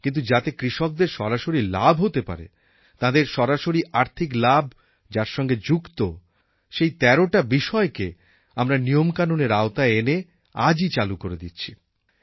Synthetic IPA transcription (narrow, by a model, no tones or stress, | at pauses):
kint̪̬ud͡ʑat̪ekɾiʃok̚d̪eɾʃɔɾaʃoɾila̰bʱɦot̪epa̰ɾḛ | t̪ãd̪eɾʃɔɾaʃoɾiʔaɾt̪ʰiklabʱ | d͡ʑaɾʃɔŋɡed͡ʑukt̪o | ʃejt̪ɛɾoʈabiʃɔeke | amɾanijomkanuneɾaot̪aeene | a̰d͡ʑit͡ɕalukoɾed̪it̪ːɕʰi̥